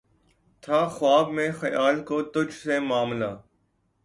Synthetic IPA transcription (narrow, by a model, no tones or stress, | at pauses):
t̪ʰaːxʊwaːbmẽːxəjaːlkoːt̪ʊd͡ʒʱsẽːmaːmlaː